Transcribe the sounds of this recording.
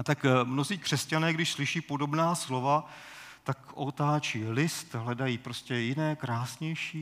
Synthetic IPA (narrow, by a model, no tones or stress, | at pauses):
at̪akmno̞ziːkr̝̥ɛscanɛːɡdɪʃslɪʃiːpo̞do̞bnaːslo̞va | t̪akʔot̪aːt͡ʃiːlɪst̪ɦlɛdajiːpɾo̞scʲɛjɪnɛːkɾaːsɲɛjʃiː